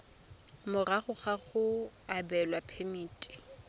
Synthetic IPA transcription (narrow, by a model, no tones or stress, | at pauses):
mʊraɣʊχaɣʊabɛlwapʰemiːtʼi̥